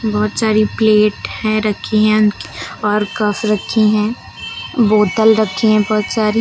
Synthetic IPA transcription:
bɔːt̪saːɾipleːʈhɛ̃ɾɐkʰːiɦɛ̃ʊniɔːɾkəfɾɐkʰːiɦɛ̃ | boːt̪əlɾɐkʰːiɦɛ̃bɔːt̪saːɾi

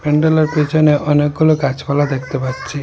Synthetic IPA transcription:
peɳɖɔlɔɾpit͡ʃʰɔneʔɔnek̚ɡulokat͡ʃbalad̪ekʰt̪epaɾt͡ʃʰi

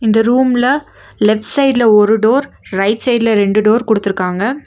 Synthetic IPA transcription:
ɪnd̪ɐɾuːmlɐ | lɛfʈsɐɪɖlɐɔɾɯɖoːɾɾɐɪʈsɐɪɖlɐɾɛɳɖɯɖoːɾkɔɽɯt̪ːɯɾɯkːaːŋɡɐ

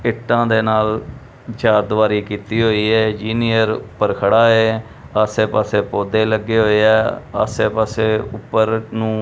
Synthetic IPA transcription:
ɪʈːãːd̪eːnaːl | t͡ʃaːɾd̪ʋaːɾiːkiːt̪iːɦoːiːɦɛːd͡ʒiːnɪjəɾʊpːəɾkʰəɽaːeː | aseːpaːseːpoːd̪eːləɡːeːɦoːeɛːə̰ːseːpaːseːʊpːəɾnũː

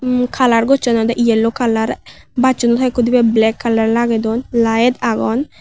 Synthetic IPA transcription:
kʰalaɾɡɔt͡ʃɔnɔd̪aʔijɛlːokalaɾ | bat͡ʃɔnɔt̪ʰajkud̪ibɛblɛkʰːalaɾlaɡɛd̪ɔnlajɛt̪aɡɔn

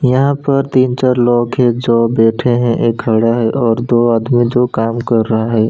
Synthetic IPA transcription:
jɐɦãpɐɾt̪iːnt͡ʃaɾlɔːɡkʰed͡ʒoːbeːʈʰẽɦɛ̃ʔeːkɦɐɽaɦɛʔɔːɾd̪oːaːd̪mid͡ʒoːkaːmkɐɾːɐɦaɦɛː

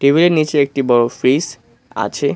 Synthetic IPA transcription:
ʈɾibʱileɾnit͡ɕeek̚ʈibɔɾofɾiz | a̰t͡ɕʰe

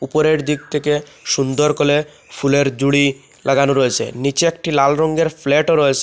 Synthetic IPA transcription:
upoɾeʈd̪ik̚t̪ʰeke | ʃund̪ɔɾkole | pʰuleɾd͡ʑuɽi | lʔaɡanoɾɔet͡ɕʰḛnit͡ɕeek̚ʈilalɾɔŋɡeɾpʰleʈoɾɔet͡ɕʰe

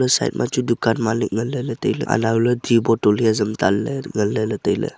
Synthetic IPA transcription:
ləsa̰ḭt̪̚mʔa̰t͡ʃudukanmalik̚ŋəlːələt̪əjlə̰a̰nauləd̪ibɔʈulɦezəmt̪alːəŋəlːələt̪əjlə̰

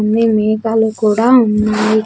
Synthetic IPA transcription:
nd̪imɛːkalukuːɽaːunːaːji

